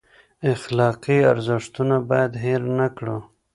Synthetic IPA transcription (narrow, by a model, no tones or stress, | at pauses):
ɪxlɑqiaɾzɪʂt̪unabɑjad̪ɦeɾnakɽu